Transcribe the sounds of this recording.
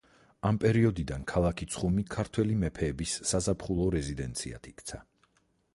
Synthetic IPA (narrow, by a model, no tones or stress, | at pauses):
ampʼɛɾiɔd̪id̪ankʰalˠakʰit̪sʰχumikʰaɾt̪ʰwɛlimɛpʰɛːbisːazapʰχulˠɔɾɛzid̪ɛnt̪sʰḭa̰t̪ʰikʰt̪sʰa